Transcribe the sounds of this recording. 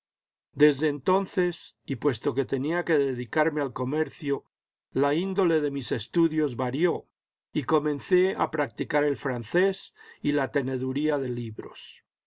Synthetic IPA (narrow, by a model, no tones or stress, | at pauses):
d̪e̞zðe̞ːnt̪o̞nθe̞sipwe̞st̪o̞ke̞t̪e̞niake̞ðeðikaɾme̞alko̞me̞ɾθjo | laind̪o̞le̞ð̞e̞mise̞st̪uðjo̞zβaɾjo̞ | iko̞mẽ̞nθe̞a̰pɾak̚t̪ikaɾe̞lfɾanθe̞silat̪e̞ne̞ðuɾiaðe̞liβɾo̞̰s